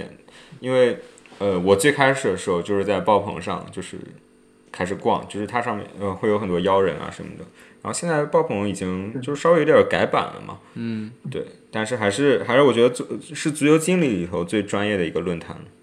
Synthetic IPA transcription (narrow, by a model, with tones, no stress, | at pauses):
ɛ̰˨˩n | i˥nwe˥˩ɪə˧wɔ˨˩t͡swe˥˩ɪkʰa˥ɪʂɻ̩˨˩d̪ə˦˩ʂɻ̩˧˥xo˧ʊt͡ɕjo˥˧ʊʂɻ̩˥˧t͡sa˥˧ɪpɑ˥˩ʊpʰɤ̰˧˥ŋʂɑ̰˥˧ŋt͡ɕjo˥˧ʊʂɻ̩˥˩ | kʰa˥ɪʂ̬ɻ̩˨˩kwɑ̰˥˧ŋt͡ɕjo˥˧ʂɻ̩˥t̪ʰa˥ʂɑ˥˧ŋmjɛ̰˥˩nə˧xwe˥˩ɪjo˧˥xə˨˩nt̪wɔ˥jɑ˥ʊɻə̰˧˥na̰˧ʂə̰˧˥nmə̰˩d̪ə˩ɻa˧˥nxo˥˧ʊɕjnt͡sa˥˧ɪpɑ˥˩ʊpʰɤ˧˥ŋi˨˩t͡ɕi˥ŋt͡ɕjo˥˧ʊʂɻ̩˥˩ʂɑ˥we˥˧˥jə˞˨˧˩ka˧˥ɪpa̰˨˩nlə̰˦mʔɐ̰˩t̪we˥˩ɪt̪a˥˧nʂɻ̩˥˩xa˧˥ɪʂɻ̩˥˧xa˧˥ɪʂɻ̩˥˩wɔ˨˩t͡ɕɥɛ˧˥d̪ə˧t͡sʂɻ̩˥˩t͡s̩˧˥jo˧˥ʊt͡ɕi˥ŋli˥˩li˨˩t̪ʰo˧˥ʊt͡swe˥˩ɪʈ͡ʂwa˥njɛ˥˩d̪ə˩i˧˥ɡə˧lwə˥˩nt̪ʰa˧˥n